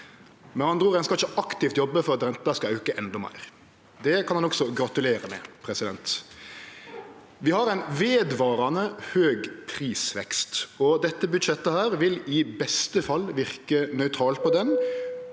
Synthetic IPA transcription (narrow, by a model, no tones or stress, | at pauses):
mɛnhɑnd̪ʁuːʁɛnskɑlɪçəʔɑkt̪ɪft̪jɔbːəfɔɾɑt̪ɾɛnt̪ɑskɑœʉkəʔɛnd̪ɔmæ̰ɪʁ | d̪ɛkʰɑnhɑnɔksɔɡɾɑt̪ʉleːɾəmɛ̰pʰɾɛsɪd̪ɛnt̪ | ʋɪhɑɾæɪnʋeːd̪ʋɑːɾɑnəhøːɡpʰɾiːsʋɛ̰kst̪ɔd̪ɛt̪ːəbʉd̪ʃɛt̪ːəhæːɾʋɪlɪbɛst̪əfɑlːʋɪʁkənœʏt̪ʰɾɑːlt̪̚pʰɔd̪ɛn